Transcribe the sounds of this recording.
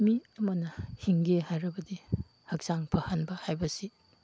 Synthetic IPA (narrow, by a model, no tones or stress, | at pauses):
miɐmɐnɐhiŋɡehajɾɐbɐdi | hɐk̚saŋpʰɐhɐnbɐhajbɐsi